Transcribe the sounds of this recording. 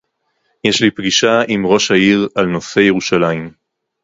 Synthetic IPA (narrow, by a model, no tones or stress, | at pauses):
je̞ʃlipɡiʃaimʁo̞ʃaiʁalno̞se̞jeʁuʃalaim